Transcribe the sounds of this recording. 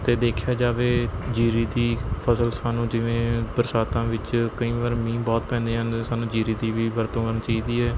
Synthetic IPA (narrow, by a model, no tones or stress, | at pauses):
t̪eːd̪eːkʰjaːd͡ʒaːʋeːd͡ʒiːɾiːd̪iːpʰəsəlsaːnũːd͡ʒɪʋẽːbəɾsaːt̪ãːʋɪt͡ʃkəĩːʋaːɾmĩːbɔːt̪̚pɛ̃ːnd̪eːɦə̃nd̪esaːnũːd͡ʒiːɾiːd̪iːʋiːbəɾt̪õːkəɾnt͡ʃaːiːd̪iːɛː